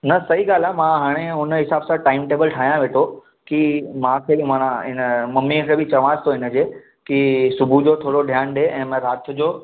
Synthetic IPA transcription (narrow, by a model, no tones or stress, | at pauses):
nɐsɐɦiɡaːl̤aːmãɦaːɽ̃eʊnɦɪsaːbsãʈaːɪmʈeːbəlʈʰaːɦijãʋeːʈʰo | kimãkʰeːbmãːnãɪnəmɐmːikʰeːbɪt͡ɕɐʋãːst̪ʰoɪnə̆d͡ʑeː | kisʊbʱud͡ʑoːt̪ʰoːɽoɖʱjaːnɗeʔɛ̃ːmɛ̃ɾaːt̪ʰʊd͡ʑoː